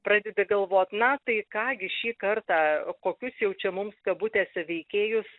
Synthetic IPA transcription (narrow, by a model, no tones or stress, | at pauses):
pɾɑːd̪ʲɛd̪ʲɪɡɐlˠʋoːt̪ʲnɐt̪ɐɪkɑːɡʲɪʃʲiːkɐrt̪ɑːkoːkʲʊsjɛʊt͡ʃʲɛmʊmskɐbʊt̪ʲeːsʲɛʋʲɛɪkʲeːjʊs